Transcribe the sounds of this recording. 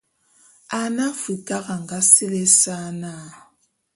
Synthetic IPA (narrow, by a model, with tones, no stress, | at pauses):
a˦na˦fi˨ka˦ɣa˨ŋɡa˦si˦lɛ˦sa˦na˦˨